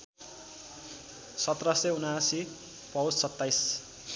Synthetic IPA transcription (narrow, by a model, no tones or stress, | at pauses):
sʌt̪rʌseunasi | pʌwssʌt̪ːajs